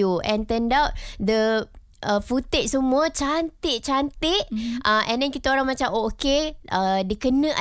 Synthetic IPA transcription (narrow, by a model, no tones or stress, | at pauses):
uʔɛ̃nt̪əndawt̚d̪ə | əfut̪ɪʔ̚səmũət͡ʃant̪ɪʔ̚t͡ʃant̪ɪʔ̚aʔɛ̃ndɛnkit̪aoɾaŋmat͡ʃamokeʔədəkənə̃ʔa